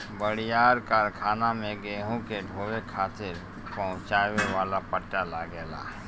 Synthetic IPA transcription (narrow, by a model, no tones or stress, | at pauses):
bəɽijaːɾkaɾkʰaːnamẽɡeːɦõkeɖʱoːwekʰaːt̪ɪɾ | pəɦʊ̃t͡ʃaːweʋaːlapəʈːalaɡɛːla̰ː